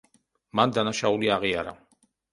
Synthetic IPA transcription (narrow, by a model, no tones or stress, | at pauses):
mand̪anaʃauliaʁiaɾa